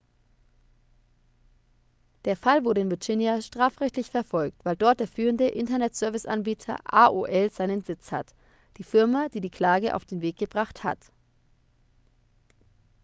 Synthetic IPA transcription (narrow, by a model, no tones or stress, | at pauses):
d̥eːɐfalvʊɐɾəɪnvɛt͡ʃɪnjaʃtʁ̥aːfʁɛçtlɪçfɛɐfɔlk̚tv̥aɪldɔɐt̚d̥eːɐfyːʁəndəʔɪntɐnɛtz̥œɐvɪsʔa̰nbiːtʰɐ̰ʔaːʔoʔɛlz̥aɪnənzɪt͡sha̰t | d̥iːfɪɐmad̥iːdiːkl̥aːɡəʔa̰ʊfd̥eːnveːk̚ɡ̥əbʁaχtha̰t